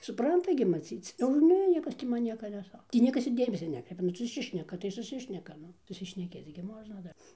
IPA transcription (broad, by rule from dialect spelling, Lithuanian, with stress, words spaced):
sʊˈprɐntɐ ɡʲɪ mɐˈt͡sʲiːt͡s oː ɪr ˈnʲɛ ˈnʲiɛkɐs tʲiː ˈmɐn ˈnʲiɛkɐ nʲɛˈsɐ ˈtʲiː ˈnʲiɛkɐs ɪr ˈdʲeːmʲɛsʲɛ ˈnʲæːkrʲɛɪpʲɛ ˈnʊ sʊˈsʲɪʃʲnʲɛkɐ tɐɪ sʊˈsʲɪʃʲnʲɛkɐ ˈnʊ sʊsʲɪʃʲnʲɛˈkʲeːt͡s ɡʲɪ ˈmoːʒnɐ ˈdɐr